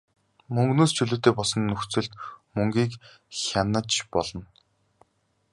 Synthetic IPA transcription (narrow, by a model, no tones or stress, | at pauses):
mɵŋɡnoːst͡ɕʰɵɮɵːt̪eːpɔɮsɞ̆nːɵxt͡sɘ̆ɮt̪mɵŋɡʲiːk | xʲanə̆t͡ɕpɔɮɞ̆n